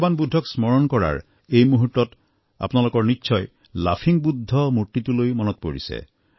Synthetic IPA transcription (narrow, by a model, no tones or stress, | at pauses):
banbud̪ʱːɔksmɔɹɔnkɔɹa̰ɹ | ejmuɦutːɔt | a̰pnalokɔɹnitːʃʰɔj | lapʰiŋbud̪ʱːɔmutit̪ulojmɔnɔt̪ɔpoɹḭsḛ